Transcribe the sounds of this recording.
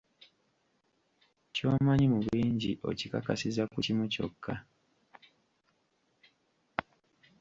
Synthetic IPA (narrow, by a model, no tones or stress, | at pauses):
co̞ːmaɲimuβiːɲɟiʔo̞̰cikakasizakucimuco̞̰kʰːa